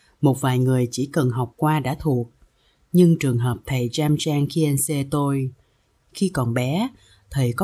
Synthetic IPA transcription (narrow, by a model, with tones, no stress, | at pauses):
mo˨˩t̚vaː˨˩jŋɨ˨˩əjt͡ɕi˧˩kə˨˩nɦa˨˩wk͡p̚kwaː˧ɗa̰ː˧˥t̪ʰu˨˩ək̚ | ɲɨ˧ŋt͡ɕɨ˨˩əŋɦəː˨˩p̚t̪ʰə˨˩jt͡ɕaː˧mt͡ɕaː˧ŋxi˧ʔɛ˧nse˧t̪o˧j | xi˧kɔ˨˩nɓɛ˨˦ | t̪ʰə˨˩jkɔ˨˦